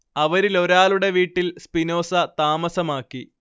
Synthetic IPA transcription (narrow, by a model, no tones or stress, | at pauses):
ɐʋɐɾilo̞ɾaːluɽe̞ʋiːʈːilspino̞ːsɐt̪aːmɐsɐmaːkːi